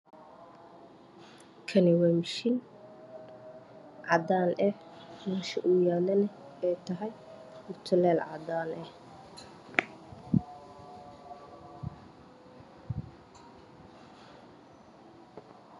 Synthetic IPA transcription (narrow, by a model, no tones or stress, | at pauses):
kʰɐnɪwɛmʃɪn | ʕɑd̪aːnɛ | mɛːʃɪʔuːjaːlɐnɛ | ɛjt̪ʰɐɦɐj | ʊrt̪ʰʊlɛːlʕɑ̰d̪aːnɛh